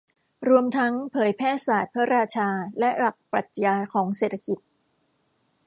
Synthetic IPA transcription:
ɾu˧əmt̪ʰa˦˥ŋpʰɤː˩˦jpʰɛː˥˩saː˨˩t̪̚pʰa˦˥ɾaː˧t͡ɕʰaː˧lɛ˦˥la˨˩k̚pa˨˩t̪̚jaː˧kʰɔː˩˦ŋseː˨˩t̪ʰa˧˥ki˨˩t̪̚

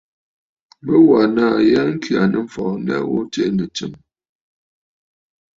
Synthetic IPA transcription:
bə˦wa˨naː˦˨ja˦ŋ̩˦kɥa˨nə˨m̩˨fɔ˨˦n˦dɛ̰˦wo˦t͡ʃe˦ʔnə˨t͡ʃə˨m

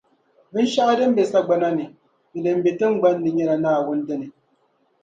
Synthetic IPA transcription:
bɨ˦n˦ʃa˦ʔa˦dɨ˦m̩˦be˨sa˦ɡ͡ba˨na˦ni˨ | ni˨dɨ˨m̩˦be˨tɨ˦ŋ˦ɡ͡ba˦nː˦ɨ˨ɲɛ˦ɾa˨naː˦˨wʊ˦n˦dɨ˦nɨ˨

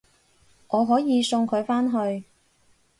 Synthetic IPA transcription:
ʔɔː˨˧ɦɔː˨˥jiː˨˧sʊ˧ŋkʰɵ˨˧ɥfaː˥nɦɵ˧ɥ

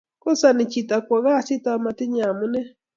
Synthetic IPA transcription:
ko˦sa˨nɪ˨t͡ʃi˨ta˨kʷa˨ɣa˦˨sɪ˦ta˦ma˨tɪ˦ɲa˨mʊ˦nɛ˦

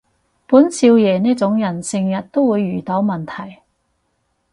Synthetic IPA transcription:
puː˨˥nsʰiː˧wjɛː˨˩niː˥k̚t͡sʊ˨˥ŋjɐ˨˩nsɪ˨˧ŋjɐ˨t̚t̪o˥wwuː˨˧jːyː˨˩t̪ɐ˨˥wmɐ˨˩nt̪ʰɐ˨˩j

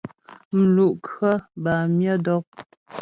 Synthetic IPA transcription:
m̩˨lu˨ʔkɰə˦ba˨mjə˦dɔ˦k̚

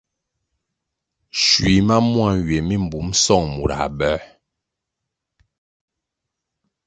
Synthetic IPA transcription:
ʃwi˨ma˦mwa˦˨ɥe˨mi˦˨m̩˨bu˨˦msɔ˦˨ŋmu˨ɾa̰˨ɓɛ˦

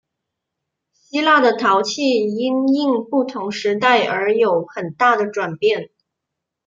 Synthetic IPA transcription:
ɕi˥la˥˩d̪ə˩t̪ʰɑ˧˥ʊt͡ɕʰi˥˩i˥ni˥˧ŋpu˥˩t̪ʰʊ˧˥ŋʂɻ̩˧˥t̪a˥˩ɪʔə˞˧˥jo˧˩˥ʊxə˨˩nt̪a˥˩d̪ə˩ʈ͡ʂwa˨˩npjɛ˥˩n

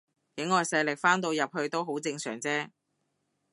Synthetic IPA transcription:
kɪ˨˥ŋːɔː˨jsɐ˧jlɪ˨k̚faː˥nt̪o˧wjɐ˨p̚hɵ˧ɥt̪o˥wɦo˨˥wt͡sɪ˧ŋsœː˨˩ŋt͡sɛː˥

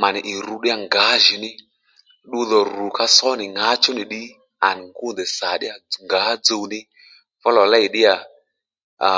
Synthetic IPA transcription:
ma˨nɪ˨ʔi˨ɾu˧ɗɪ˦a˨ŋɡa˨˦ʒi˨nɪ˦ | ɗu˦ðɔ˨ru˨ka˦sɔ˦nɪ˨ŋa˦t͡ʃu˦ni˨ɗi˦ | a˨ni˨ŋɡu˦nd̪ɛ˨sa˨ɗɪ˦a˨ŋɡa˨˦d͡zo˧wnɪ˦ | fɔ˦lɔ˨la˦i˨ɗɪ˦a˨

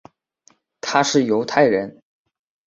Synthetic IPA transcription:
t̪ʰa˥ʂɻ̩˥˩jo˧˥ʊt̪ʰa˥˩ɪɻə˧˥n

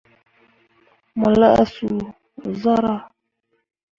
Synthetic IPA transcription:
mu˨la˦ʔa̰˦su˨ | za˦ɾa˦

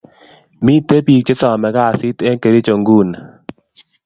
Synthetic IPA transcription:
mi˦˨te˦pi˨k̚t͡ʃe˦sɔ˨mɛ˨ɡa˦˨sɪ˦te˦nke˨ɾi˦t͡ʃo˨ŋɡu˦˨n

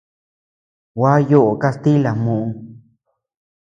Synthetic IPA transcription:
wa˦jo˦ʔo˨ka˧st̪i˦la˨mũ˨ũ˧

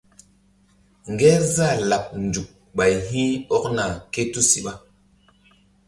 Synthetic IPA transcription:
ŋ˨ɡɛ˦za˦˨la˨p̚n̩˨d͡ʒu˨k̚ | ɓa˨jɦĩ˦ɔ˦k̚na˨ke˦tu˦si˨ɓa˦

